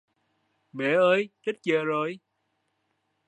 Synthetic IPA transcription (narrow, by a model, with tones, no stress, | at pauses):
mɛ̰˨˩ʔəː˨˧jt͡ɕə˦˥t̚t͡ɕəː˧˨zo˨˩j